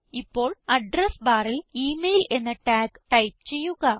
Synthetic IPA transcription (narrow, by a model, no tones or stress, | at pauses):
ipːo̞ːɭɐɖrɐsbaːriliːmejle̞nːɐʈaːkʈɐjp̚t͡ɕe̞jːuɣɐ